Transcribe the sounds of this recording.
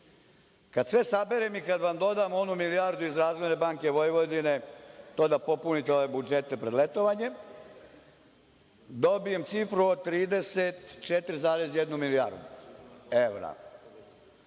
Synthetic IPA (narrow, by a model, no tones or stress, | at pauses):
kad̪sʋe̞sabe̞ɾemikad̪ʋamd̪o̞d̪amo̞numilijaɾd̪uizɾaːzmenebaːŋke̞ʋojʋod̪ine̞t̪oːd̪apo̞punit̪eo̞ʋe̞bud͡ʒet̪e̞pɾed̪let̪oʋaɲe | d̪o̞bije̞mt̪sifɾuot̪ɾiːd̪e̞set̪t͡ʃet̪ɾizaːɾezjed̪numilija̰ɾd̪u | eʋɾa̰